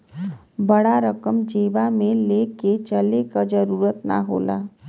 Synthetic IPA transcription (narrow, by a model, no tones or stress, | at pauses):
bəɽaɾəkəmd͡ʒeːbamẽleːket͡ʃəlekad͡ʒəɾuːɾət̪na̰ɦo̰ːla̰ː